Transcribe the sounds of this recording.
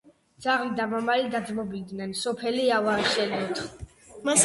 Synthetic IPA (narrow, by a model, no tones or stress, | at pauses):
d̪z̥aʁlid̪amamalid̪ad̪zmɔbid̪nɛnsɔpʰɛliavaːʃɛlɔt̪ʰ